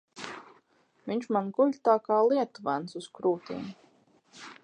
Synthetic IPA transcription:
viɲʲʃmanɡuʎʲt̪aːkaːlˠiɛt̪uvænsuskɾuːt̪ḭːm

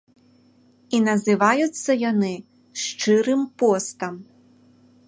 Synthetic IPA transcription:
inɐzɨvajut̪sːɐjanɨ | ʂt͡ʂɨɾɨmpɔst̪ɐm

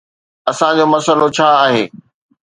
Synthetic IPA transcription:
ɐsãd͡ʑoːmɐsəlot͡ɕʰaːɦeː

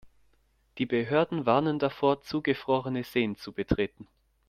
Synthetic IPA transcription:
d̥iːbəɦøːɐdn̩vaɐnəndafoːɐt͡suːɡəfʁ̥ɔʁənəz̥eːənt͡subətʁ̥eːtn̩

